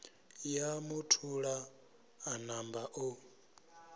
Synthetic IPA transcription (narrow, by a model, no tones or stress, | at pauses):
jamutʰuɺaː | nambaʔo